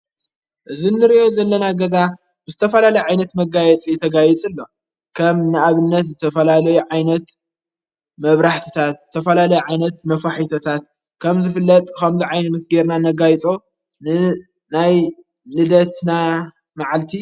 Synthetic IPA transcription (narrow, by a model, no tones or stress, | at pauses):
ʔɨzinːɨɾiʔo̞zɐlːɐnaɡɐza | bɨzɨt̪ʰɐfɐlalɐjʕajnɐt̪mɐɡajɛt͡sʼit̪ʰɐɡajit͡sʼɨlːo̞ | kʰɐmnaʔaβɨnːɐt̪zɨt̪ʰɐfɐlalɐjuʕajnɐt̪ | mɐβɾaħt̪ʰɨ̥t̪ʰat̪zɨt̪ʰɐfɐlalɐjuʕajnɐt̪nɐfaħit̪ʰot̪ʰat̪̚ | kʰɐmzɨfɨlːɐt̪ʼkɐmzɨʕajnɨnɨɡeɾnanɐɡajt͡sʼo | nɨ | naj | nɨd̪ɐt̪na | maʕalt̪ʰi